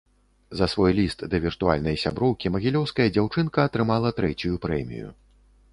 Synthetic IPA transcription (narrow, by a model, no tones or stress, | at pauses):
zɐsvɔjlʲist̪d̪ɐvʲirt̪ua̰lʲnɐjsʲa̰bɾɔwkʲimɐɣʲilʲɔwskɐjɐd͡zʲawt͡ʂɨnkɐːt̪ɾɨmalˠɐt̪ɾɛt͡sʲujupɾɛmʲḭjṵ